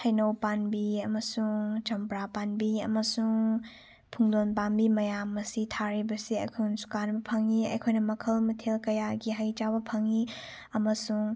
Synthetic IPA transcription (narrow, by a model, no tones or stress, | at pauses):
hɐjnɐwpanbiɐmɐsuŋt͡ʃɐmpɾapanbiɐ̰mɐsuŋ | pʰuŋdonpanbimɐjamɐsitʰaɾibɐsiɐjkʰunsu̥kanbɐpʰɐŋiɐ̰jkʰojnɐmɐkʰɐlmɐtʰelkɐjaɡiɦajt͡ʃawbɐpʰɐŋi | ɐmɐsuŋ